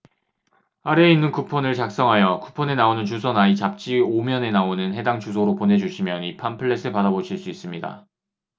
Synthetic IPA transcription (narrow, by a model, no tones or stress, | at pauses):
aɾe̞inːɯnkupʰʌnɯɭt͡ɕak̚s͈ʌŋɦajʌkupʰʌne̞naonɯnt͡ɕusʰʌnait͡ɕap̚t͡ɕ͈iomjʌne̞naonɯnɦe̞daŋt͡ɕʰus̬ʰoɾopone̞d͡ʑuɕʰimjʌnipʰanpʰɯɭːe̞sʰɯɭpadaboɕʰiɭs͈uis͈ɯmɲida̰